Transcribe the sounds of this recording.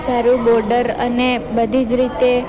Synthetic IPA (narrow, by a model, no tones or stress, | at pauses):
saɾũbɔɾɖəɾə̰nebəd̪ʱid͡ʒɾit̪e